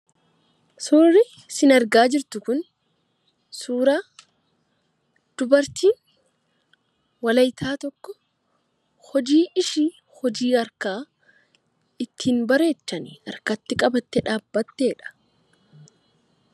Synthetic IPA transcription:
suːrːɪ | sɪnɐɾɡaːd͡ʒɪɾt̪ʊkʊn | suːɾaː | d̪̥ʊbɐɾt̪iːn | wɐlɐjt̪ʰaːt̪ɔkːɔ | hɔd͡ʒiːʔɪʃi | hɔd͡ʒiːɐɾkaː | ɪt̪ʰːiːnbɐɾe̞ːt͡ʃːɐnɪɐɾkɐt̪ːɪkʼɐbɐt̪ːɛᶑaːbːɐt̪ːe̞ːᶑɐ̥

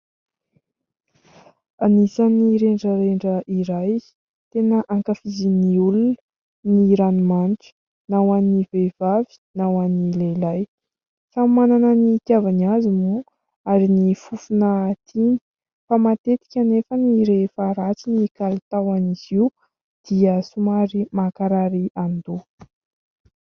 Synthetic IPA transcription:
anisaniɾeɳɖ͡ʐəɾeɳɖ͡ʐəʔiɾaj | t̪enəʔaŋkafiziniulunə | niɾanimaniʈ͡ʂə̥ | nawanivev̥avi̥nawanilelaj | fammananənik̪javaniazimu | aɾinifufunət̪ʰini̥ | famat̪et̪i̥kʲanefəniɾefaɾat͡sinikalit̪awaniz̥iw | d̪̥iəsumaɾimakaɾaɾiʔand̪u

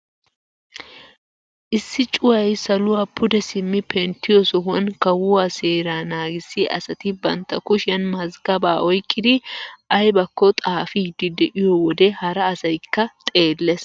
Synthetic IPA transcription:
ʔɪsːɪt͡ʃʼʊwɐjsɐlʊwaːpʰʊd̪ɛsɪmːɪpɛnt̪ːɪjɔsɔhɐnkɐwʊwaːseːɾaːnaːɡɪsːɪʔɐ̰sɐt̪ɪbɐnt̪ːɐkʊʃɪjɐnmɐzɡɐbaːʔɔjkʼːɪd̪ɪɐjbɐkːɔt̪ʼaːfɪd̪ɪd̪ɛʔɪjɔwɔd̪ɛhɐɾɐːsɐjkːɐt̪ʼe̞ːlːes

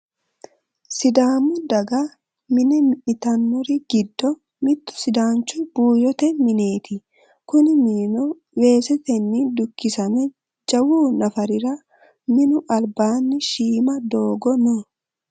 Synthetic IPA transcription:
sɪd̪aːmʊd̪ɐɡɐ | mɪnɛmɪʔɪt̪ɐnːʊɾɪɡɪd̪ːɔ | mɪt̪ːʊ̥sɪd̪aːnt͡ʃːʊb̥uːjɔt̪ɛmɪne̞ːt̪ɪ | kʊnɪmiːnɔ | we̞ːsɛt̪ɛnːɪd̪ʊkːɪsɐmɛ | d͡ʒɐwuːnɐfɐɾɪɾɐ | mɪnʊʔɐlbaːnːɪʃiːmɐd̪o̞ːɡɔnɔ

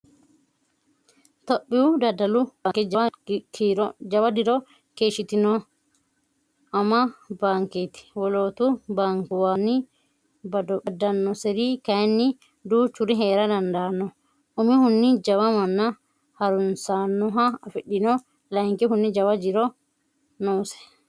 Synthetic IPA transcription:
t̪oɓːiwudadːalubakɛkʰɾɔd͡ʒawadiɾɔ | keːʃit̪inɔ | ʔamːabaŋket̪i̥wɔloːt̪ubaŋkuwani | bɐdɔɓɐdɐnːɔsɛɾikɐjnːi | d̪uːt͡ʃuɾiɦeːɾɐd̪ɐnd̪aːnːɔ | ʔʊmihʊnːɪd͡ʒɐwamɐnːa | hɐɾʊnsanːɔɦaɐfɛɗːɪnɔ | lɐŋkiɦʊnːid͡ʒɐwad͡ʒɪɾɔ | nɔːsɛ̥

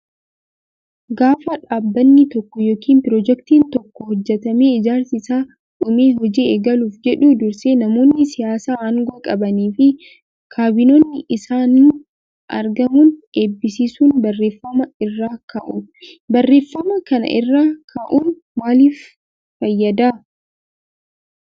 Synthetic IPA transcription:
ɡaːfɐᶑaːbːɐnːɪt̪ɔkːɔjo̞ːkiːmpɪɾɔd͡ʒɛkt̪iːnt̪ɔkːɔhɔd͡ʒːɛt̪ɐmeːɪd͡ʒaːɾsɪsaː | ᶑʊmeːɦɔd͡ʒieːɡɐluːfd͡ʒɛᶑud̪ʊɾseːnɐmo̞ːnːɪsɪjaːsaːɐŋɡokʼɐbɐniːfɪ | kʰaːbɪnoːnːɪʔɪsaːniː | ʔɐ̰ɾɡɐmuːne̞ːbːɪsiːsuːnbɐrːe̞ːfːɐmɐɪrːaːkɐʔʊ | bɐrːe̞ːfːɐmɐkɐnɐ̰ʔɪ̰rːaːkʰɐʔuːn | maːliːf | fɐjːɐd̪aː

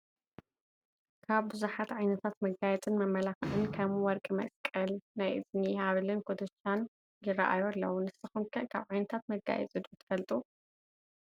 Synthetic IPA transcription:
kʰaβbɨzuħat̪ʕajnɐt̪ʰat̪mɐɡajɛt͡sʼɨnmɐmːɐlaxɨʕɨnkʰɐmwɔɾkʼimɐ̰skʼɐlnajʔɨznihaβlɨnkʰod̪ɐt͡ʃːan | jɪɾɐ̰ʔa̰joalːɐwunɨsɨxumkʰɐʔkʰaβʕajnɐt̪ʰat̪mɐɡa̰jɛ̰t͡sʼɨd̪ut̪ʰɨ̥fɐlt̪ʼu

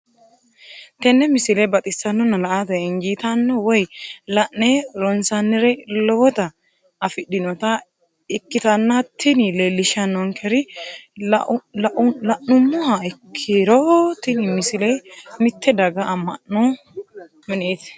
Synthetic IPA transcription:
t̪ɛnːɛmɪsɪlɛbɐt̪ʼɪsɐnːɔnɐlɐʔat̪ɛɛŋɡiːt̪ɐnːɔwɔjlɐʔnɛɾɔnsɐnːɪɾɛlɔwɔt̪ɐː | fɪɗːɪnɔt̪ɐ | ɪkːɪt̪ɐnːɐt̪ʰːɪnɪlelːɪʃɐnːɔŋkʰɛɾɪ | lɐʔʊlɐʔnʊmːʊhɐɪkʰːɪɾɔt̪ɪnɪmɪsɪlɛjmɪt̪ːɛd̪ɐɡɐːmːɐ̰ʔːɔ | mɪneːt̪ɪ̥

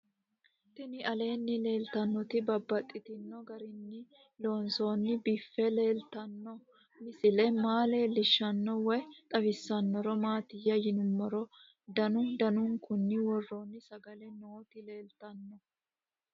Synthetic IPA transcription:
t̪ɪnɪʔɐle̞ːnːɪle̞ːlt̪ɐnːɔt̪ɪbɐbːɐt̪ʼːɪt̪ɪnːɔɡɐɾɪnːɪ | lo̞ːnso̞ːnːɪbifːɛle̞ːlt̪ɐnːɔ | mɪsɪlɛmaːleːlɪʃːɐnːɔwɛt̪ʼɐfɪsːɐnːɔɾɔmaːt̪ɪjɐjɪnʊmːɔɾɔ | d̪ɐnʊd̪ɐnʊŋkʊnːɪwɔrːoːnːɪsɐɡɐlɛnoːt̪ɪle̞ːlt̪ɐnːɔ

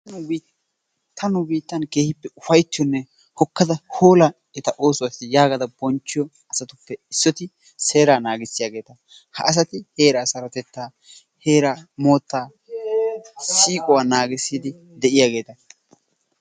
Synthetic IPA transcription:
t̪ʰɐnʊbiːt̪ːɐnkeːhɪpːɛʊfɐjt̪ːɪjɔnːɛ | hɔkːɐd̪ɐho̞ːlɐ | ɛt̪ɐʔoːsʊwasɪjaːɡɐd̪ɐbɔnt͡ʃːɪjɔ | ɐsɐt̪ʊpːɛɪsːɔt̪ɪ | se̞ːɾaːnaːɡɪsːɪjaːɡe̞ːt̪ɐ | hɐ̰ʔːs̬ɐt̪ɪhe̞ːɾaːsɐɾɔt̪ɛt̪ːaː | heːɾɐmoːt̪ːaː | siːkʼɔwaːnaːɡɪsːiːd̪ɪ | d̪ɛʔɪjaːɡe̞ːt̪ɐ

